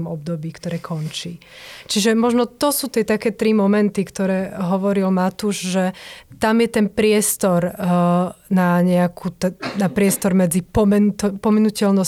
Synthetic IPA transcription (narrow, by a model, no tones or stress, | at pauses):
mɔb̚d̪ɔbiːkt̪ɔɾɛːkʰɔnt͡ʃiːt͡ʃiʒɛmɔʒnɔt̪ɔsuːt̪ɪɛt̪akɛːt̪ɾimɔmɛnt̪ikt̪ɔɾɛːɦɔʋɔɾilmat̪uʒʒɛt̪amjɛt̪ɛnpɾɪɛst̪ɔɾ | naɲɛakʰut̪ɛnapɾɪɛst̪ɔɾmɛd͡zipɔmɛnut̪pɔmɛnucɛlnɔs